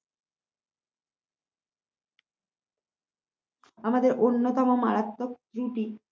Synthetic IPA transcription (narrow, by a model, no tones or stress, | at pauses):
amad̪eɾʔonːot̪ɔmoma̰ɾat̪ːok̚t̪ɾuʈi